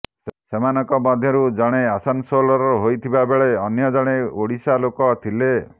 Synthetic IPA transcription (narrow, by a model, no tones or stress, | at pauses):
semanɔkɔmɔd̪ʱjɔɾud͡ʒaɽ̃easansolɔɾɔɦojt̪ʰibabeɭeɔnjɔd͡ʒɔɽ̃eoɽisalokɔt̪ʰile